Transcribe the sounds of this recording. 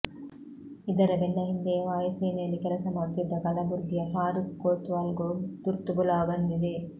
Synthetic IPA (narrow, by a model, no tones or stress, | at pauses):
id̪ɐɾɐbeɳːɐɦind̪eʋaːjɐseːnejɐlːikɛlɐsɐmɐɾt̪id̪ːɐkɐlɐbuɾɡ̪jɐɦaːɾukːoːt̪ʋɐːlɡod̪̥uɾt̪ubulɐbɐnd̪id̪e